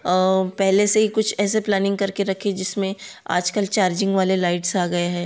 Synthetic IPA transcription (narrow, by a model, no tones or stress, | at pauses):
pɛɦleseɦikʊt͡ʃʰɛːseplɛːnɪ̃ŋɡkɐɾkʰeɾɐkʰed͡ʒɪsmẽa̰ːd͡ʒkəlt͡ʃaːɾd͡ʒɪ̃ŋɡʋaːlelaːɪʈsaːɡɐaɦɛː